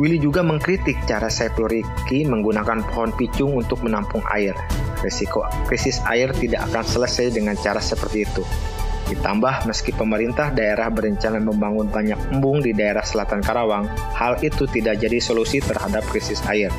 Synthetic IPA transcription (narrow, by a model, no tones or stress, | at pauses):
wilid͡ʒuɡaməŋkɾit̪ɪk̚t͡ʃaɾasajpluɾikiməŋɡunakanpoɦɔnpit͡ʃʊŋunt̪ʊk̚mənampʊŋa̰ɪrrisiko | kɾisɪsa̰ɪrt̪idaka̰kansələsajdəŋant͡ʃaɾasəpərt̪iːt̪u | dit̪ambahməskipəməɾint̪ahdaeɾahbəɾəɲt͡ʃanaməmbaŋʊnbaɲak̚mbʊŋdidaeɾahsəlat̪ankaɾawaŋhalit̪ut̪idak̚d͡ʒadisolusit̪ərhadap̚kɾisɪsa̰ɪr